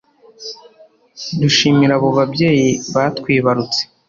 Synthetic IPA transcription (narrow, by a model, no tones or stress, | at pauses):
duʃiːmiɾaβo̞βabɟe̞ːjiβatkwiːβaɾut͡se̥